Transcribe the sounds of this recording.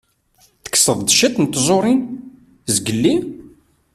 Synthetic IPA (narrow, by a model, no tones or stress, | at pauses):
θə̥kːsəðˤd̪əʃæt̪nt̪ːzˤoɾˤin | zɡəlːi